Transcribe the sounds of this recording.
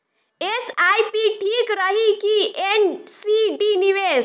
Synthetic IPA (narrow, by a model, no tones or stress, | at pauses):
esajpiʈʰikɾəɦikiensiɖiniʋes